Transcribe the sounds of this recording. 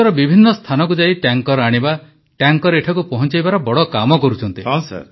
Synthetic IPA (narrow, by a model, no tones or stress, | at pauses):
ɔɾɔbibʱinːɔst̪ʰanɔkud͡ʒaiʈjaŋkɔɾɔaɽ̃iba | ʈjaŋkɔɾeʈʰakupɔɦɔnt͡ʃajbaɾɔbɔɽɔkamɔkɔɾut͡ʃʰɔnt̪iɔsa̰